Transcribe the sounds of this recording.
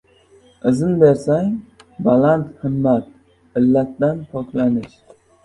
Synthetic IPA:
ɨzɨnbeɾsaŋbɑlant̪hɨmːat̪̚ | ɨlːæt̪ːant̪ʰokʲlanɪʃ

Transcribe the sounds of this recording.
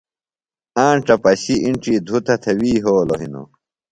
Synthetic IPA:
ãːɳʈ͡ʂɐpɐɕiiɳʈ͡ʂid̪ʱut̪ʰɐt̪ʰɐwiːɦoːloɦino̰

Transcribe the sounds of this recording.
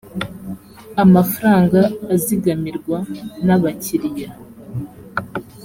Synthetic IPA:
amafaɾaːŋɡaːziɡamiɾɡwanaβaciɾja

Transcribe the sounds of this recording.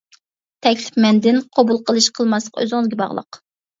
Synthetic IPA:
t̪ʰɛkʲlɪ̥pmɛnd̪ɪnqʰobulˠqʰəlˠɨʃqʰəlˠmɑslˠə̥qø̰zɪŋɨzɡʲɛbɑ̰ʁlˠə̰q

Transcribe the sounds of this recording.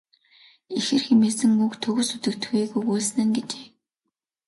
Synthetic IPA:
ixɘ̆rxemeːsɘ̆ŋukt̪ʰɵɣɵ̆sut̪ɘ̆kt̪̆ʰxiːɣujuːɮs̆nɘ̆ŋɡet͡ɕeː

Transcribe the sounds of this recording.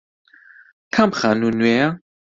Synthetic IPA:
kʰamχanunwɛa

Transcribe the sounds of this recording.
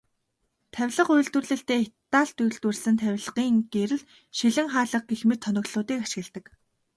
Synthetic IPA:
t̪ʰæwʲɮə̆qʊj̆ɮt̪wɘ̆rɮɘ̆ɬt̪eːet̪ːaːɬt̪uj̆ɮt̪wɘ̆rsɘ̆nt̪ʰæwʲɮʁiːŋɡ̥eɾɘ̆ɮ | ʃiɮɘ̆ŋχaːɮə̆q̚ɡexmet̪ʰːɔnɞ̆kɮʊːt̪iːkaʃɪ̆ɣɘ̆ɮt̪ɘ̆k

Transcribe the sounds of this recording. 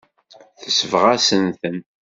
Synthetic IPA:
θəsəvʁasənθən

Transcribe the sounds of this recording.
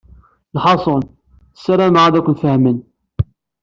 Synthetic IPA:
lħɑsˤon | sːæɾˤæmʕaðækʷːənfəhmən

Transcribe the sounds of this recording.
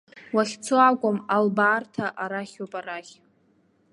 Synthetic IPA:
waχʲt͡sʰoakʷʼʊmalbaːrtʰaʔaɾaχʲopʼaɾaχʲ

